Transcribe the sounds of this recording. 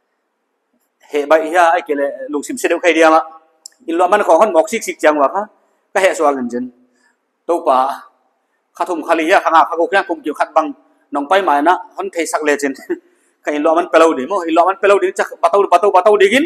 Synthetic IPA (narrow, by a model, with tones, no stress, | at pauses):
hɛ˨ba˧jhi˧˦aː˧jke˨lɛ˧˨lu˨ŋsi˨mse˧de˧˨wkʰa˧di˧a˧ma˧˨ʔ | i˧nlɔ˧˨˧ma˦nkʰɔ˨hɔ˦nmɔ˨k̚si˧˥k̚si˧k̚t͡ʃi˧a˧ŋwa˨˩kʰa˦ | ka˧hɛ˧˨su˧a˧ŋɯ˨nt͡ʃɯ˨n | t̪o˧wpa˨˩ | kʰa˧t̪ʰu˧mkʰa˧li˧hi˧a˧˩kʰa˧ŋa˧˨kʰa˧kʰo˧wkʰa˦˧ku˧mki˨kʰa˧t̪̚ba˧ŋ | nɔ˨ŋpa˧jma˨jna˧˨ʔhɔ˦nt̪ʰe˧jsa˧k̚lɛ˧t͡ʃi˧n | kʰa˧˨i˧nlɔ˧a˧˨ma˧˦npɛ˧la˧wdi˨mɔ˧˨i˧nlɔ˧a˧˨ma˧˨npɛ˧la˧wdŋi˦t͡ʃa˧ba˧t̪a˧wba˨˧t̪a˧wpa˧t̪a˧wdi˧ki˦n